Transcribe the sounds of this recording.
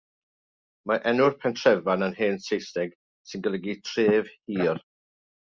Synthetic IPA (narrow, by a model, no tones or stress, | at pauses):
maʔɛnʊrpʰɛntʰrɛvananheːnsejsdɛɡ̥ | sɪnɡəlˠəɡitʰreːv̥hiːr